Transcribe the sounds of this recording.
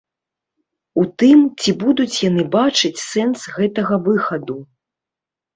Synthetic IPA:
ut̪ɨmt͡sʲibud̪ut͡sʲjanɨbat͡ʂɨt͡sʲsɛnsɣɛt̪ɐɣɐvɨxɐd̪u

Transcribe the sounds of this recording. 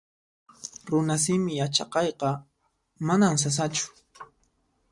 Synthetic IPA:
ɾʊnas̬ɪmɪjat͡ʃɑ̰qɑjqɑ | manams̬as̬at͡ʃʊ̥

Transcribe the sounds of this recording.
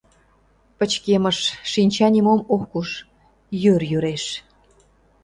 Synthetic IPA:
pət͡ɕkemə̆ʃːinʲt͡ɕɑnʲimomokːuʃ | jørjyɾeʃ

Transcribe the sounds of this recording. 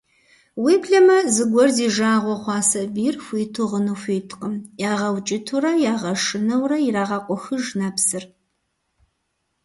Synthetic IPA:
wiːpɬɐmɐzɨɡʷɔrziːʒaːʁʷɔχʷɑːsɐbiːrxʷiːtʰuʁənufʷiːtʰʼqʼəmjaːʁɐwt͡ʃʼɪtʰuɾɐjaːʁɐʂɨnɐwrɐjiɾaːʁɐqʷʼʊxɨʒnapsɨr

